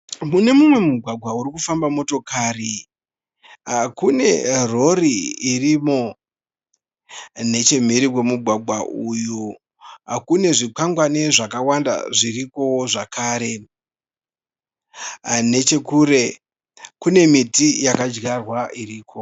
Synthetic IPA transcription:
mune̞mumwe̞muɡʱwaɡʱwauɾikufambamo̞to̞kaːri | akune̞ro̞riirimo̞ | ne̞t͡ʃe̞m̤iɾiwe̞muɡʱwaɡʱwaʔuju | akune̞ʐik͡paŋɡwaneʐakawanda̰ʐiriko̞ʐakʰaːɾe̞ | ne̞t͡ʃe̞kure̞ | kune̞mitijakad͡ʒɡarwaʔiriːkʰo̞

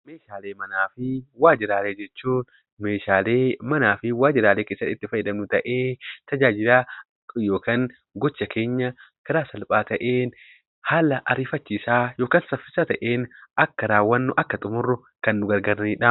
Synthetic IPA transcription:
meːʃaːleːmɐnaːfɪwaːd͡ʒɪɾaːleːd͡ʒɛt͡ʃːuːn | me̞ːʃaːle̞ːmɐnaːfɪwaːd͡ʒɪɾaːleːkeːsːɐt̪ːɪt̪ːɪfɐjːɪd̪ɐmnʊt̪ɐʔeːt̪ɐd͡ʒaːd͡ʒɪlaː | jo̞ːkaːŋ | ɡɔt͡ʃːɐkʰe̞ːɲːɐkɐɾaːsɐlpʼaːt̪ɐʔeːn | haːlɐʔɐɾiːfɐt͡ʃːiːsaːjo̞ːkaːnsɐfːɪsaːt̪ɐʔeːnɐkːɐɾaːwːɐnːʊʔɐkːɐt̪ʼʊmʊrːʊ | kɐnːʊɡɐɾɡɐɾɐniːᶑaː

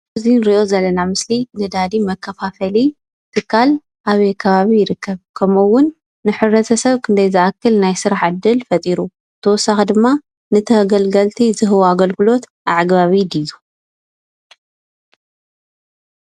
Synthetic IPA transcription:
zinɾiʔo̞zɐlːɐnamɨslinɨd̪ad̪imɐkʰːɐfafɐli | t̪ʰɨkʰːal | ʔaβekʰɐβaβijɪɾɨkʰːɐβkʰɐmuwːʊnː | ɨħɨβɾɐt̪ʰɐsɐβkʰɨnd̪ɐjzɨʔakːɨlnajsɨɾaħʕɨd̪ɨlfɐt̪ʼiɾu | t̪ʰɐwɔsaxd̪ɨmːa | nɨt̪ʰɐɡɐlɡɐlt̪ʰizɨɦɨwaɡɐlɡɨlo̞t̪ʔaʕɡβaβid̪iju

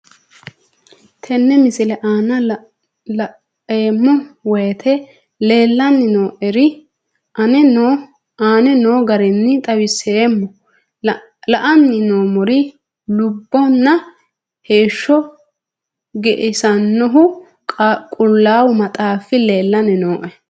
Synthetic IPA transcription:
t̪ʰɛnːɛmɪsɪlɛʔaːnɐ | eːmːɔwɛt̪ʰɛ | le̞ːlːɐnːɪnoːʔɛɾɪ | ɐnɛ | aːnɛnoːɡɐɾɪnːɪt̪ʼɐwɪseːmːɔ | lɐʔɐnːɪnoːmʊɾɪ | lʊbːɔnːɐ | he̞ːʃːɔ | ɡɛʔɪsɐnːɔɦʊ | kʼʊlːaːwʊmɐt̪ʼaːfɪle̞ːlːɐnɪnoːʔɛ

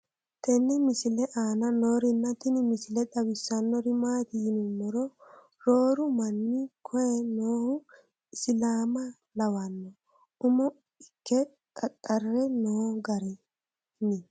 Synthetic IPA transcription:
t̪ʰɛnːɪmɪsɪlɛʔaːnɐnoːɾɪnːɐt̪ɪnɪmɪsɪlɛd̪ɐwɪsːɐnːɔɾɪmaːt̪ɪjɪnʊmːɔɾɔ | ɾoːɾʊmɐnːɪkʰɔjɛnoːhʊ | ɪsɪlaːmɐ | lɐwɐnːɔ | ʊmɔ | ɪkːɛ | kʼɐkʼːɐrːɛnoːɡɐɾɛ | nɪ

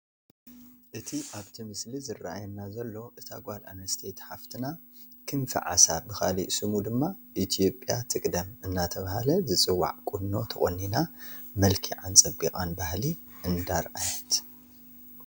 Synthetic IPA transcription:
ʔɨt̪ʰiʔaβt̪ʰimɨslizɨraʔajɛnːazɐlːo̞ʔɨt̪ʰa̰ɡʷalʔa̰nɐst̪ʰet̪ħaft̪ʰɨna | kʰɨnfɐ̰ʕa̰sabɨxa̰lḭʔsɨmud̪ɨmːaʔit̪ʰijo̞pʼjat̪ʰɨkʼd̪ɐmɨnːat̪ʰɐβahalɐzɨt͡sʼɨwːa̰ʕkʼunnːo̞t̪ʰɐxʼonːinamɐlkʰiʕant͡sʼɐbikʼanbahli | ʔɨnd̪aɾʔajɐt̪

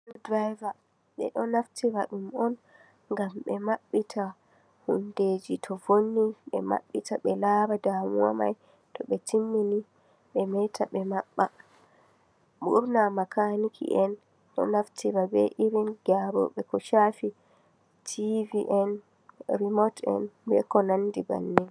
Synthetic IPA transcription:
udɾajva | ɓɛ̰ɗɔnaftiɾaɗumɔn | ŋɡamɓɛmaɓːitʰa | hunded͡ʒitʰɔvonːiɓɛma̰ɓːitaɓɛlabadamuama̰j | tɔɓɛtʰimːini | ɓɛmɛtʰaɓɛmaɓːa | ɓuɾnamakanikʰḭʔɛn | ɗɔ̰naftiɾabɛ̰ʔiɾinɡaɾɔ̰ɓɛkɔʃafi | tʰiviʔɛn | ɾimɔtɛ̰nbɛ̰kɔnandiba̰nːɛ

